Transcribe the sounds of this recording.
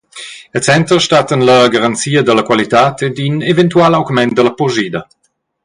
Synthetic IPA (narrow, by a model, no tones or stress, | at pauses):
ət͡sɛnt̪ɾəʃtat̪ənləɡaʁant͡siːəd̪əlɐkwalit̪aːt̪ʰed̪ynevɛnt̪ualawɡmɛnd̪əlɐpoʒiːd̪ɐ